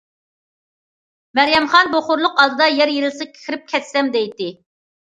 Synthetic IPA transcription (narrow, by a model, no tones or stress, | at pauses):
mæɾjɛmχɑnboχʊɾlˠʊqɑd̪ɨd̪ɑjɛɾjeɾɪlsɪkʲʰe̥kʰʲɪɾɪp̚kʲʰɛt̪sɛmd̪ɛjt̪ɪ